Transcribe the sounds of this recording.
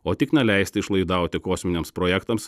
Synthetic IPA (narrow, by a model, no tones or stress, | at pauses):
oːt̪ʲɪknʲɛlʲæɪsʲt̪ʲɪɪʃlˠɐɪd̪ɐˑʊt̪ʲɪkoːsʲmʲɪnʲeːmspɾoːjɛkt̪ɐms